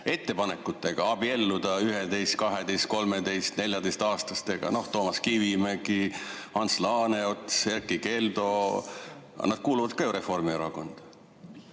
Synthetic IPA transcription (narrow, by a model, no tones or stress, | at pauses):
e̞t̪ːe̞pɑne̞kːˑut̪ːˑe̞ɡ̥ɑɑb̥ie̞lːud̪̥ɑyɦed̪e̞jst̪̚kɑɦe̞d̪e̞jst̪̚ko̞lme̞d̪e̞jst̪ne̞lʲjɑd̪e̞jst̪ɑːst̪ɑst̪e̞ɡ̥ɑ̰no̞ht̪o̞ːmɑskivimeɡi | hɑnslɑːne̞o̞t̪ːˑse̞rkːˑike̞ld̪o̞̰ | nɑd̪̥̚kuːluvɑd̪̥̚kɑjuɾe̞fo̞rmioɾɑko̞nd̪̥